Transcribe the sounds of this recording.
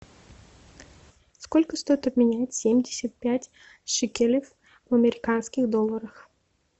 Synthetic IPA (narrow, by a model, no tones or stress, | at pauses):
skɔlʲkəst̪ɔjɪt̪ɐb̚mʲɪnʲajtʲsʲemʲdʲɪsʲɐt̪̚pʲætʲ | ʂɨkʲelʲɪf | vɐmʲɛɾʲɪkanskʲɪɣd̪ɔlˠːɐɾɐx